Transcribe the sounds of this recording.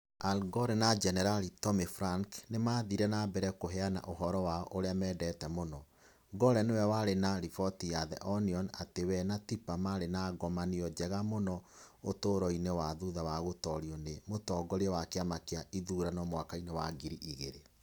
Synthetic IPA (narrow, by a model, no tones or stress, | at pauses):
alɡɔɾɛnad͡ʒɛnɛɾalitɔmifɾaŋknemaːðiɾɛnabɛɾɛkoɦɛana̰ʔoɦɔɾɔwaɔʔoɾeamɛːdɛːtɛmonɔ | ɡɔɾɛnewɛwaɾenaɾifɔtijaðɛʔɔniɔnatewɛnatipamaɾenaɡɔmaniɔd͡ʒɛɣamonɔ | otoːɾɔinewaðuðawaɣotɔɾiɔnemotɔɡɔɾewakeamakeaʔiðuɾanɔmwakainewa̰ɡiɾiʔiɣeɾe